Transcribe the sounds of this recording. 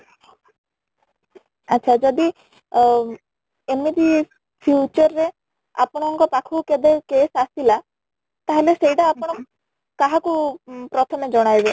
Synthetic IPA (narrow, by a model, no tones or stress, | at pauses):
atːʃʰad͡ʒɔd̪i | emid̪i | pʰjut͡ʃɔɾːe | a̰pɔɽ̃ɔŋkɔpakʰuked̪ekesasila | t̪aɦelesejʈaːpɔɽ̃ɔ | kaɦakupɾɔt̪ʰɔmed͡ʒɔɽ̃ajbe